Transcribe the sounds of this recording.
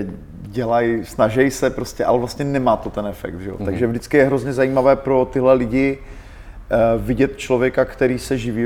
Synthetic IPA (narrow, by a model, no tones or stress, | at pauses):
ɟɛlajsnaʒɛjsɛpɾoscɛʔa̰lɛvlast̪ɲɛnɛmaːt̪ot̪ɛnɛfɛ̰k̚d̪ʒɛo̰t̪aɡʒɛvdɪt͡skɪjɛɦɾo̞zɲɛzajiːmavɛːpɾo̞t̪ɪɦlɛlɪɟɪ | vɪɟɛt̪t͡ʃlo̞vjɛkakt̪ɛɾiːsɛʒɪviː